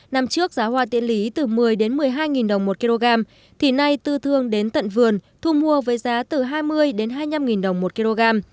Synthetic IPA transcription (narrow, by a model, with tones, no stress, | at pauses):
na˧˩mt͡ɕɨ˦˥ək̚z̥aː˨˦hwaː˧˩t̪ḭ˧ənli˨˦t̪ɨ˨˩mɨ˨˩əjɗe˨˦nmɨ˨˩əjɦaː˧jŋi˨˩nɗə˨˩wŋ͡mmo˨˩t̚ki˧lo˧ɣaː˧m | t̪ʰi˨˩na˧jt̪ɨ˧t̪ʰɨ˧əŋɗe˨˦nt̪ə̰˧˨nvɨ˨˩ənt̪ʰu˧mu˧əvəː˨˦jzaː˨˦t̪ɨ˨˩ɦaː˧jmɨ˧əjɗe˨˦nɦaː˧jɲa˧mŋi˨˩nɗə˨˩wŋ͡mmo˨˩t̚ki˧lo˧ɣaː˧m